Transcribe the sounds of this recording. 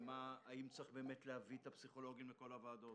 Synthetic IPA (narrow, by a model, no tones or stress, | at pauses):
maːimt͡sʁiχbe̞ːmetleavit̪apsiχo̞lo̞ɡimleko̞lavaːd̪o̞t